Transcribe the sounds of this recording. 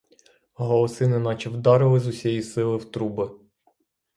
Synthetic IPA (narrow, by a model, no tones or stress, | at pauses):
ɦɔlˠɔsɪnɪnɑt͡ʃɪwd̪ɑɾɪlˠɪzʊsʲɛjisɪlˠɪwt̪ɾubɪ